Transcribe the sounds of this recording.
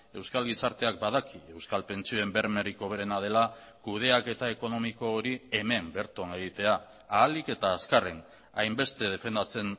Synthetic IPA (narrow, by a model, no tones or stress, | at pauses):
e̞wskalɣisaɾt̪e̞ak̚bað̞akie̞wskalpe̞nt͡sioembe̞ɾme̞ɾiko̞β̞e̞ɾe̞nað̞e̞la | kuð̞e̞ake̞t̪ae̞ko̞no̞miko̞ːɾie̞me̞mbe̞ɾt̪one̞ɣ̞it̪e̞aː | like̞t̪aːskare̞n | ajmbe̞st̪e̞ð̞e̞fe̞nd̪at͡se̞n